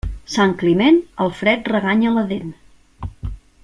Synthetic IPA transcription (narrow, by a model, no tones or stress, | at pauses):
saŋklimɛnəlˠfɾɛt̪̚rəɣaɲələðen